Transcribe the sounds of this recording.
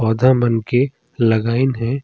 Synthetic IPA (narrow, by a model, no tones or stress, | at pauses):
ɔːd̪ʱamɐnke | lɐɡaːɪnɦɛ̃ː